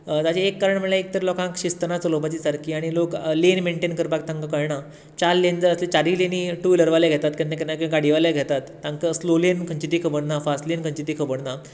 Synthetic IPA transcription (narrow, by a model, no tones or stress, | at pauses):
t̪at͡ɕeːkːaɾəɳm̤əɳlaek̚t̪əɾlɔkãkɕist̪ənat͡səlobat͡ɕisaɾkʰiːaɽ̃iloklenmeɳʈenkəɾbak̚t̪ãŋkəkəɭjɳa | t͡ɕaɾlend͡zəɾəslet͡ɕaɾileniʈuləɾʋaleɡʱet̪at̪kanːakanːakəɡaɽiʋaleɡʱet̪at̪ːãŋkəslolenkʰə̃ɲt͡ɕit̪ikʰəbəɽnafasʈlenkʰə̃ɲt͡ɕit̪ikʰəbəɽna